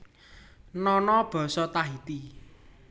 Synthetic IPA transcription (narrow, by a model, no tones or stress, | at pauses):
nɔnɔb̥ɔ̤sɔt̪aɦit̪i